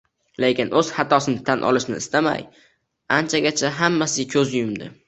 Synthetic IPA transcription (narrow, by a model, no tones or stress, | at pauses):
le̞kʲɪnʔɵz̥hat̪ʰɒsɪnɪt̪ʰanʔɒ̰lɪʃnɪ̰ːst̪ama̰j | ant͡ʃʰaɡʲat͡ʃʰaɦamːasɪkʲʰɵzjʊmd̪ɪ̰